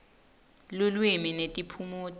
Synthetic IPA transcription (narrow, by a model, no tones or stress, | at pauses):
lulwiminetʼipʰumotʼ